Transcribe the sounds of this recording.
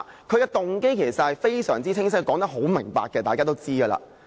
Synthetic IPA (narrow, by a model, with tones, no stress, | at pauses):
kʰɵ˨˧ɥkɛ˧t̪ʊ˨ŋke˥jkʰe˨˩jsɐ˨t̚hɐ˨jfe˥jsœ̰ː˨˩ŋt͡siː˥t͡sʰɪ˥ŋs̬ɪ˥k̚kːɔː˨˥ŋt̪ɐ˥ɦo˨˥wmɪ˨˩ŋpa̰ː˧kːɛ˧t̪aː˨kaː˥t̪o˥wt͡siː˥ɡəː˧la̰ː˧˩